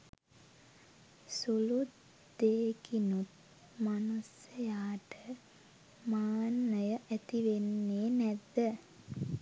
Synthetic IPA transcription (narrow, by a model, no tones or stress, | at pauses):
sulut̪ | d̪eːkinut̪̚ | manusəjaːʈə | maːnːəjəʔæt̪iʋenːeːnæd̪ə